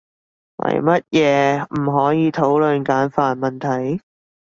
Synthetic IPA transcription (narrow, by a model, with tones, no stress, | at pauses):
wɐ̰˨˩jmɐ˥t̚jɛː˨˧m̩˨˩ɦɔː˨˥jiː˨˧t̪ʰo˨˥wlɵ˨nkaː˨˥nfaː˨˩nmɐ˨nt̪ʰɐ˨˩j